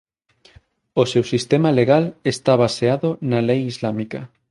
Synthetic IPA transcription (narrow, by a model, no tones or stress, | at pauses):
osewsist̪emaleɣalest̪aβ̞aseaðonalejizlamika